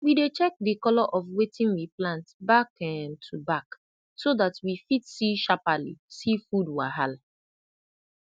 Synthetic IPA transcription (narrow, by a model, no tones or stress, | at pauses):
widet͡ʃɛk̚dikɔlɔʔɔfwetʰĩnwiplãntbakɛ̃ntʰubak | soðatwifitsiʃapalḭsifudwaɦal